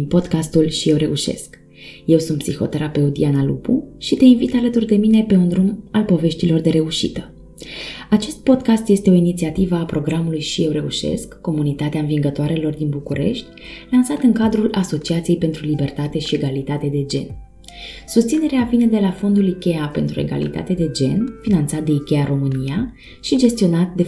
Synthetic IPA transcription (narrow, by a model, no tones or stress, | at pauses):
po̞d̪kast̪ulʃije̞wɾe̞uʃe̞̰sk | je̞wsunt̪psixo̞̰t̪eɾape̞ut̪ianalṵpuʃit̪e̞invit̪alət̪urd̪e̞mine̞pe̞undɾumalpo̞ve̞ʃt̪ilo̞rd̪e̞ɾe̞uʃḭt̪ə | at͡ʃe̞st̪̚po̞d̪kast̪je̞st̪eo̞init̪siat̪ivəapɾo̞ɡɾamulujʃije̞wɾe̞ṵʃe̞̰skːo̞munit̪at̪eaɨnviŋɡət̪oaɾe̞lo̞rd̪inbukuɾe̞̰ʃt̪ʲlansat̪ɨŋkad̪ɾulʔaso̞t͡ʃiat̪sije̞jpe̞nt̪ɾulibe̞rt̪at̪e̞ʃie̞ɡalit̪at̪e̞d̪e̞d͡ʒe̞̰n | sust̪sine̞ɾeavine̞d̪e̞lafo̞nd̪ulikʲe̞ape̞nt̪ɾue̞̰ɡa̰lḭt̪a̰t̪ed̪e̞d͡ʒe̞̰nfinant̪sat̪̚d̪e̞ikʲe̞aɾo̞mɨnija | ʃid͡ʒe̞st̪io̞nat̪̚d̪e